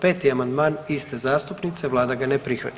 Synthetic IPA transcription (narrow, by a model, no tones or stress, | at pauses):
peːt̪iamand̪maːnist̪ezaːst̪upnit̪seʋlˠaːd̪aɡanepɾixʋa̰t̪